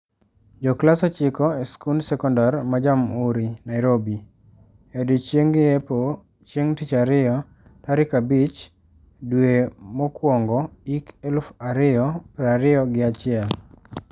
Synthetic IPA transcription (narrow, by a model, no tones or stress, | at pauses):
d͡ʒɔklasɔt͡ʃɪkɔeskunsɛkɔndarmad͡ʒamuɾinaɪɾobi | edut͡ʃeŋɡɪepo | t͡ʃjeŋtɪt͡ʃaɾɪjɔ | taɾɪkabit͡ʃ | dwemɔkwɔŋɡɔikelfaɾɪɔpɾaɾɪɔɡɪat͡ʃɪɛl